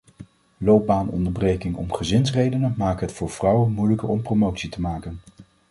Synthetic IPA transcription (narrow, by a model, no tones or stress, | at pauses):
lowp̚baːnɔ̰ndəɹbrejkɪŋɔ̰mχəzɪnsrejdənəmaːkɦətfʊːɹv̥rʌwənmujləkəɹɔmpromowtsitəmaːkən